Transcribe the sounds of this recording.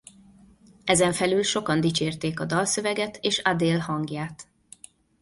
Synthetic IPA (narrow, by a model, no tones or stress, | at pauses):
ɛzɛɱfɛlylʃo̞kɒnd̪it͡ʃeːrt̪eːkɒd̪ɒlsø̞vɛɡɛt̪ʰeːʃad̪eːlhɒŋɡjaːt̪